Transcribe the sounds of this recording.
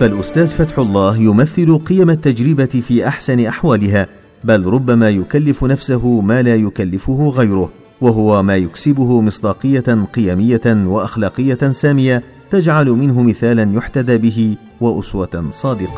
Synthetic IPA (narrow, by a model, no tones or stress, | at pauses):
falʔʊst̪aːd̪fat̪ħʊlˤːɑːhjʊmaθːɪlʊqɨjamat̪ːad͡ʒɾɪbaɪfiːʔaħsanɪʔaħwaːlɪɦaː | balɾˤʊbːamaːjʊkalːɪfʊnafsaɦʊmaːlaːjʊkalːɪfʊhʊɣajɾʊh | waɦʊwamaːjʊksɪbʊhʊmɨsˤd̪ɑːqɨjːaqɨjaːmɪjːawaʔaxlɑːqɨjːasaːmɪja | t̪ad͡ʒʕalʊmɪnɦʊmɪθaːlanjʊħt̪ad̪aːbɪɦɪ | waʔʊswɑsˤɑːd̪ɪqɑ̥